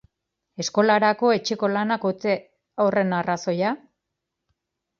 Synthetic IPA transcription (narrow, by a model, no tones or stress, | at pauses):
e̞sko̞laɾako̞e̞t͡ʃe̞ko̞lanakut͡se | ore̞naraso̞ja